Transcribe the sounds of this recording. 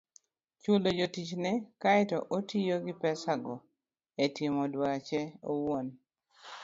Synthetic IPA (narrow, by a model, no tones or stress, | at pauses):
t͡ʃulod͡ʒotit͡ʃnɛkaɛtɔʔotijoɡɪpɛsaɡɔ | etɪmɔdwat͡ʃɛowon